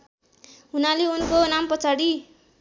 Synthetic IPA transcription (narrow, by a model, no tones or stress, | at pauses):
ɦunaleunkonampʌt͡sʰaɽi